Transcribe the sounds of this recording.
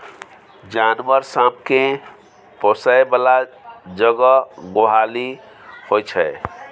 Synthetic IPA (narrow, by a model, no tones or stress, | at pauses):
d͡ʒanʋəɾsabkẽ | pɔsajbəlad͡ʒəɡəɡoɦali | hojt͡ʃʰɛ